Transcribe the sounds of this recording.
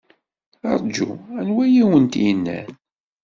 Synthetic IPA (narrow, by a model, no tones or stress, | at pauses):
ɑ̰ɾˤd͡ʒṵænwæjiwənt̪jənːæ̰n